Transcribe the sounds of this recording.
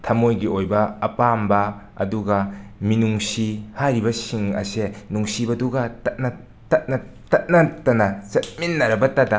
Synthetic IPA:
tʰɐmojɡiojbɐɐpambɐ | ɐ̰duɡɐminuŋsihajɾibɐsiŋɐ̰senuŋsibɐduɡɐtɐt̚nɐ | tɐt̚nɐ | tɐt̚nɐtɐnɐt͡ʃɐt̚minːɐɾɐbɐtɐdɐ

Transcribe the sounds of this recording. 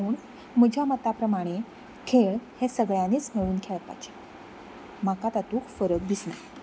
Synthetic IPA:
uːɳ | məd͡ʑʱamət̪apɾəmaɽ̃e | kʰeɭhesəɡɭjaniːt͡smeʋuːnkʰeɭt̪a̰t͡ɕe̥ | makat̪at̪uːkʰfəɾək̚d̪ʱisna̰

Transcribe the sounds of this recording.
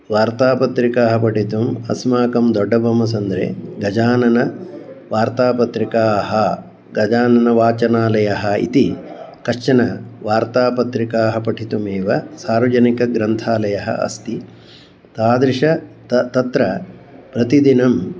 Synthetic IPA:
ʋaːɾt̪aːpɐt̪ɾikaːɦɐpɐʈʰit̪umɐ̰smaːkɐmd̪ɔɖːɐbʱɐmɐs̬ɐnd̪ɾḛːɡɐd͡ʒaːnɐnɐʋaːɾt̪aːpɐt̪ɾikaːɦɐ | ɡɐd͡ʒaːnɐnɐʋaːt͡ʃɐnaːlɐjɐɦɐḭt̪ikɐʂt͡ʃɐnɐʋaːɾt̪aːpɐt̪ɾikaːɦɐpɐʈʰit̪umeːʋɐsaːɾʋɐd͡ʒɐnikɐɡɾɐnt̪ʰaːlɐjɐɦɐ̰ʔɐ̰st̪i | t̪aːd̪ɾiʂɐt̪t̪ɐt̪ɾɐ | pɾɐt̪id̪inɐm

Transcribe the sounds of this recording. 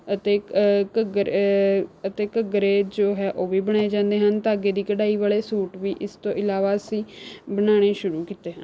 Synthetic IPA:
ət̪eːkəɡɾ | ət̪eːkəɡɾeːd͡ʒoːɦɛːʔoːʋiːbəɽ̃aːeːd͡ʒãːnd̪eːɦənt̪aːəɡeːd̪iːkəɽaːiːʋaːleːsuːʈʋiːʔɪst̪õːʔɪlaːʋaːsĩːbənaːɽ̃eːʃʊɾuːkiːt̪eːɦən

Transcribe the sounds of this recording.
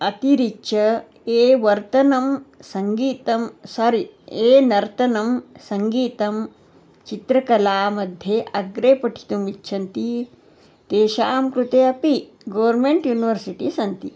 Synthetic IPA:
ɐt̪iɾikʃʰɐ | eːʋɐɾt̪ɐnɐmsɐŋɡiːt̪ɐmsɐɾieːnɐɾt̪ɐnɐmsɐŋɡiːt̪ɐm | t͡ʃit̪ɾɐkɐlaːmɐd̪ʱjeʔɐɡɾeːpɐʈʰi̥t̪umit͡ʃːʃʰɐnt̪i | t̪eːʃaːmkɾut̪eːɐpi | ɡɐʋɐɾmeɳʈjuːniʋɐɾsiʈisɐnt̪i

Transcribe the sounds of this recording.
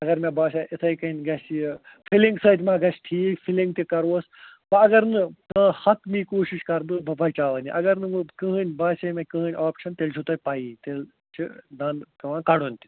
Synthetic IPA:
ɐɡɐɾmʲɐbaːʃaːɐsɐikɐnʲɡɐs | fʰiliŋɡsɐːt̪ʲmãːɡɐsʈʰiːkpʰilĩŋɡ̚t̪ikɐɾʋoːs | pɐɐɡɐɾnɨkɐ̃ːhɐt̪miːkoːʃiʃkɐɾb̪ɨbɐbɐt͡ʃaːʋɐniʔɐɡɐɾnɨkɨɦɨnʲbaːsɐmɐkɐ̃ːnʲaːpʃɐnt̪elt͡ʃʰut̪ɐpaːiːt̪el | t͡ʃʰid̪ɐːnk̪ɐʋãːkɐɽonʲt̪i̥

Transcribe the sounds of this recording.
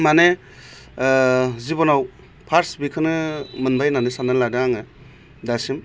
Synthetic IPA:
mane | zibɔnaw | pʰaɾsbikʰɯnɯmɯnbajnanesanaladɯŋaŋɯ | dasim

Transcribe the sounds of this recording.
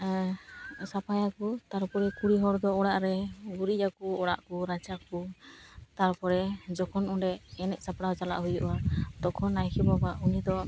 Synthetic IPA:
sapajakut̪aɾpɔɾɛkuɽiɦɔɾd̪ɔɔɽaʔɾɛbuɾiakuɔɽaʔkuɾat͡ʃaku | t̪aɾpɔɾɛd͡ʒɔkʰɔnɔɖɛɛnɛʔsapɽawd͡ʒala̰ʔɦujuʔwad̪̥ɔkʰɔnːajkʰɛbabaʔunid̪ɔ

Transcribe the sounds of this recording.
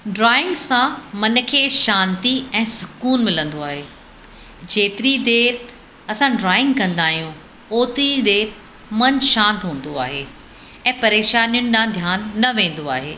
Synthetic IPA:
ɖɾaːɪ̃ŋɡsãmɐn̆kʰeːʃãːnt̪iɛ̃ːsʊkuːnmɪlə̃nd̪oaːɦeː | d͡ʑeːt̪ɪɾid̪eːɾ | ɐsãɖɾaːɪ̃ŋɡkɐ̃nd̪aːɦijũ | oːt̪ɾid̪eːɾ | mɐnʃãːnt̪ɦũːn̆d̪oa̰ːɦeː | ɛ̃ːpɐɾeːʃaːnijʊnɪ̆ɗãd̪ʱjaːnːɐʋẽːn̆d̪oaːɦḛː

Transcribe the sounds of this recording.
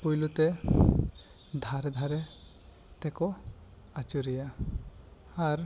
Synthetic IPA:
pujlut̪e | d̪ʱaɾɛd̪ʱaɾe | t̪ɛkɔ | at͡ʃuɾija | aɾ

